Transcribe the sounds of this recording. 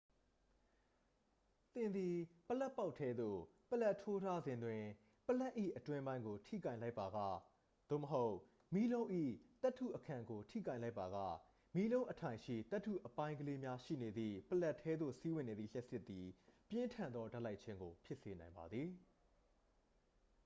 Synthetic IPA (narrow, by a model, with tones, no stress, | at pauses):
t̪ɪ̃˨nd̪i˨pəla˦pːa˦ʊtʰɛ˦d̪o̰˦˨pəla˦ʔtʰːo˦tʰa˦zɪ̃˨ndwɪ̃˨ | pəla˦ʔḭ˦˨ʔətwɪ̃˦mbã˦ɪ̃ŋɡo˨tʰḭ˦˨kã˦˨ɪ̃la˦ɪpːa˨ɡa̰˦˨ | d̪̥o̰˦˨məɦo˦ʊʔ | mi˦lõ˦ʊ̃ʔḭ˦˨t̪ɛ˦tʰṵ˦˨ʔəkʰã˨ŋɡo˨tʰḭ˦˨kã˦˨ɪ̃la˦ɪpːa˨ɣä̰˦˨ | mi˦lõ˦ʊ̃ʔətʰã˨ɪ̃ʃḭ˦˨t̪ɛ˦tʰːṵ˦˨ʔəpã˦ɪ̃ŋɡəle˦mja˦ʃḭ˦˨ne˨d̪ðḭ˦˨pəla˦ʔtʰːɛ˦d̪ðo̰˦˨si˦wɪ̃˨ne˨d̪ðḭ˨l̥jɛ˦ʔsɪ˦t̪ːi˨pjɪ̃˦ntʰã˨nd̪ðɔ˦da˦ʔla˦ɪʔt͡ɕʰɪ̃˦ŋɡo˨pʰjɪ˦ʔse˨nã˨ɪmba̰˨d̪ði˨